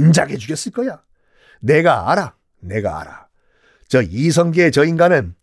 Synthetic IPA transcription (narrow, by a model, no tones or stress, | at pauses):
nd͡ʑaɡed͡ʑuɡjʌs͈ɯɭk͈ʌja | ne̞ɡaaɾa | ne̞ɡa̰a̰ɾa̰ | t͡ɕʌis̬ʰʌŋɡeet͡ɕʌinɡanɯn